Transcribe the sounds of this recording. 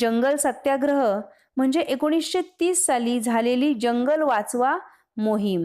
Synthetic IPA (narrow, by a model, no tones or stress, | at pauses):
d͡ʑəŋɡəlsət̪jaɡɾəɦə | m̤əɳd͡zeʔekoɽ̃isɕet̪iːsːaliːd͡zʱaleliːd͡ʑəŋɡəlʋat͡sʋa | moɦiːm